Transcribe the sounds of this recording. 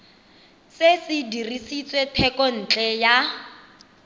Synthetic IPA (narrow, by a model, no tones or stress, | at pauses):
sesɪdirisit͡sʼwetʰɛkɔn̩ːt͡ɬʼɛja